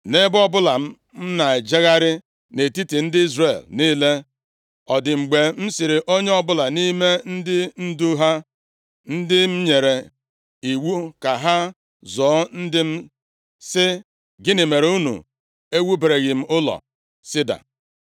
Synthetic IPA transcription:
ne˦bɔ˦bʊ˦la˨m̩˦ | m̩˦na˨e˨d͡ʒe˦ɣa˦ɾɪ˦ | ne˨ti˦ti˨n̩˦dɪ˦i˦zre˨lniː˦le˦ | ɔ˨dɪ˨ŋ͡m̩˨ɡ͡be˨m̩˦sɪ˨ɾɪ˨ʔo˦ɲe˦ɔ˦bʊ˦la˨ni˦me˦n̩˦dɪ˦n̩˦du˦ɦa˦ | n̩˦dɪ˦m̩˦ɲe˨ɾe˨ | i˨wu˦ka˨ɦa˦ | zɔː˨˦n̩˦dɪ˦m̩˦ | sɪ˦ | ɡɪ˦nɪ˨me˨ɾe˨u˦nṵ˨ | e˦wu˦be˨ɾe˨ɣɪ˨m̩˦ʊ˦lɔ̰˨ | sɪ˦da̰˨

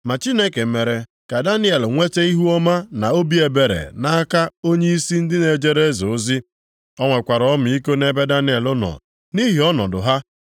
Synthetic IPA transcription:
ma˨t͡ʃi˦ne˦ke˨me˨ɾe˨ | ka˨da˦nɪ˦e˨lŋʷe˦te˦i˦ɦu˦ɔ˦ma˦na˨o˦bi˦e˨be˨ɾḛ˨na˦ka˦o˦ɲe˦i˦si˦n̩˦dɪ˦ne˨d͡ʒe˦ɾe˦zo˨˦zi˦ | ɔ˦ŋʷe˨kʷa˨ɾɔ˦mʊ˨i˦ko˦ne˦be˦da˦nɪ˦e˨lʊ˦nɔ̰˨ | ni˦ɦi˨ɔ˦nɔ˨dʊ̰˨ɦa˦

